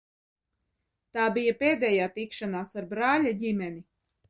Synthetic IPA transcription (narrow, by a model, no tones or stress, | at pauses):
t̪aːbijapeːd̪ɛːjaːt̪ikʃanaːsaɾbɾaːlʲaɟimʲɛni